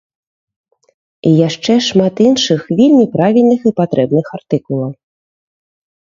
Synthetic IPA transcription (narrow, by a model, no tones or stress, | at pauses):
ijaʂt͡ʂɛʂmat̪inʂɨxvʲelʲmʲipɾavʲilʲnɨxipat̪ɾʔɛbnɨxart̪ɨkulˠɐw